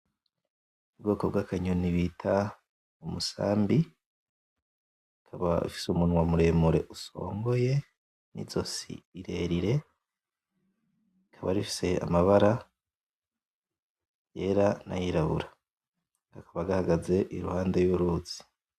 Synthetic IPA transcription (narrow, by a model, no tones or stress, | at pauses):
ubɡo̞ːkob̚ɡakʰaɲuniβitʰa | umusa̰ːmbi | kʰaβa̰ḭfi̥sumunwamuɾe̞ːmuɾe̞ʔuso̞̰ːŋɡo̞je̞ | nḭzo̞sḭiɾe̞ɾiɾe̞ | ikʰaβa̰ɾifi̥se̞a̰maβaɾa | je̞ːɾana̰jiɾaβṵɾa | ɡ̥akʰaβaɡahaɡaze̞ʔiɾuhaːndejuɾut͡si̥